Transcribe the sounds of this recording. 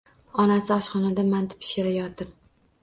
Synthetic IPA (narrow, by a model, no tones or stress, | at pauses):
ɒnasɪɒʃχɒnad̪amant̪ʰɪ̥pʰɪ̥ʃeɾajɒt̪ɪɾ